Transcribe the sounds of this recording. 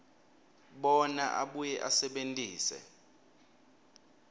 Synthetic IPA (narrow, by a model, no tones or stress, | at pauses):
ɓɔnaʔaɓujɛʔasɛɓentʼiːsɛ̰